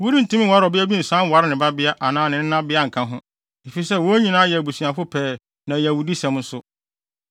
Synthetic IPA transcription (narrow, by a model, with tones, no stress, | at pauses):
wu˦ɾi˦n̩˨tʰũ˦mɪ̃˦wa˦ɾɔ˨bɪ˦æ˦bi˦n̩˨sã˦wa˦ɾɪ˦nɪ̃˨ba˦bɪ˦a˦ʔa˨nãː˨˦˨nɪ̃˨n̩˦nã˦bɪ˦a˦ŋ̩˨kʰã˦ɦʊ̃˦ | e˨fi˨sɛ˦˨wo˦ɲĩ˨nãː˦jɛ˨bu˨su˨ã˨fʊ˦pʰɛː˨ | nã˨jɛ˨wu˨di˦sɛ̃˨m˦n̩˦sʊ˦